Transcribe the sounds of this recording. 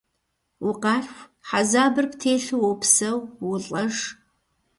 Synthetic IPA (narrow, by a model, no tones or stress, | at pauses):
wʊqɑːɕʷħazaːbɨrptʰeːɬɨwowpsɐwwʊɬʼɐʐ